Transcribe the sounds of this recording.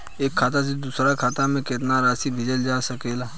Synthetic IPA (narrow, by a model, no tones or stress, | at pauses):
eːkʰːaːt̪̬as̬ed̪uːsɾakʰaːt̪amẽkɪt̪naɾaːsibʱɪd͡ʒəld͡ʒaːsəkeːlaː